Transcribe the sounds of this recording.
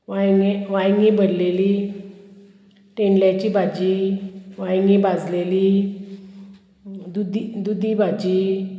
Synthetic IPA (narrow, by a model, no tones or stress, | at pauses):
ʋajŋeʋajŋɡĩbʱəɾleli | ʈeɳljat͡ɕibad͡ʑiʋajŋɡibad͡zleli | d̪ud̪ʱid̪ud̪ʱibad͡ʑiː